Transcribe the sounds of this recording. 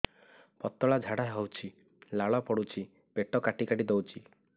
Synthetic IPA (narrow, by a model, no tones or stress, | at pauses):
pɔt̪ːɔɭad͡ʒʱaɽaɦɔwt͡ʃʰi | laɭɔpɔɽut͡ʃʰi | beʈɔkaʈikaʈid̪ɔwt͡ʃʰi